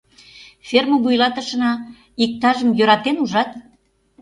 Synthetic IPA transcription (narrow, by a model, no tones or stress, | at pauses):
fʲermoβujlɑt̪ə̆ʃə̆nɑ | ik̚t̪ɑʒəmjøɾɑt̪enuʒɑt̪